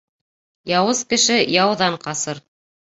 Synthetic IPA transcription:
jɑwɤzkɘ̆ʃɘjɑwðɑɴqɑsɤɾ

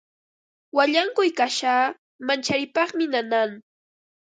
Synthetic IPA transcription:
waʎaŋkʊjkaʃaː | mant͡ʃaɾɪpɑχmɪnanaŋ

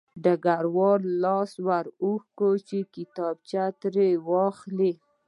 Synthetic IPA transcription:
ɖəɡaɾwɑɾlɑswaɾuxkot͡ʃekɪt̪ɑbt͡ʃat̪ɾewɑxli

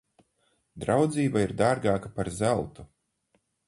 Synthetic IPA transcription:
d̪ɾawd̪ziːbaiɾd̪aːɾɡaːkapaɾzælˠt̪u

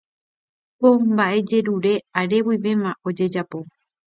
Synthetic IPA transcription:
kombaʔe̞d͡ʒe̞ɾuɾe̞aɾe̞wiʋe̞mão̞d͡ʒe̞d͡ʒapo̞

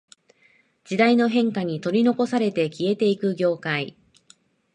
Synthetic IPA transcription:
d͡ʑid̪aino̞ɦẽ̞ŋkaɲ̟it̪o̞ɾʲino̞ko̞saɾe̞t̪e̞kʲie̞t̪e̞ikɯ̟ɡʲo̞ːkai

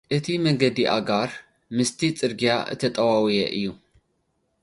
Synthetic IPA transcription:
ʔɨt̪ʰimɐŋɡɐd̪iʔa̰ɡaɾ | mɨst̪ʰit͡sʼɨɾɡijaʔɨ̰t̪ʰɐt̪ʼɐwawijɛ̰ʔɨjːu

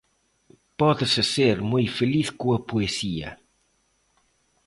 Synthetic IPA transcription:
pɔðəsəseɾmujfeliθkũɐpuesiɐ̰

